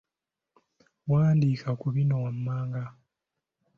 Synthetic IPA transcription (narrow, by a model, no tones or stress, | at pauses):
waːndiːkʰakuβinowamːaːŋɡa